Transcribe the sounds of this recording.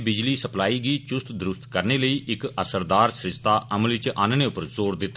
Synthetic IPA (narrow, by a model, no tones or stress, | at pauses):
bɪd͡ʒliːsəplaːiːɡiːt͡ʃʊst̪d̪əɾʊst̪kəɾneːləiːʔɪkəsəɾd̪aːɾsɾɪst̪aːʔəməlʋɪt͡ʃaːnneːʊpəɾzoːɾd̪ɪt̪ː